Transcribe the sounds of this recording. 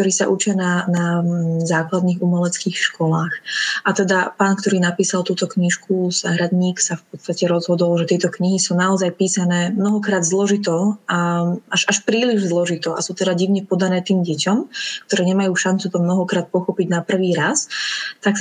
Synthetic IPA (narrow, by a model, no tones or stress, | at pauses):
t̪ɔɾiːsa̰ʔut͡ʃɪananazaːklad̪niːxumɛlɛt͡skiːxʃkɔlaːxʔat̪ɛd̪apaːnkt̪ɔɾiːnapiːsalˠt̪uːt̪ɔkɲiʃkʰuz̥aɦɾad̪ɲiːksafpɔt̪t͡st̪acɛɾɔzɦɔd̪ɔlʒɛt̪ɪɛt̪ɔkɲiɦisuːnaɔzajpiːsanɛːmnɔɦɔkɾaːd̪zlɔʒit̪ɔaaʃaʃpɾiːliʒzlɔʒit̪ɔʔa̰suːt̪ɛd̪aɟiʊɲɛpɔd̪anɛːt̪iːmɟɛcɔmkt̪ɔɾɛːɲɛmajuːʃant͡sut̪ɔmnɔɦɔkɾaːt̪̚pɔxɔpiɟnapr̩ʋiːɾast̪ak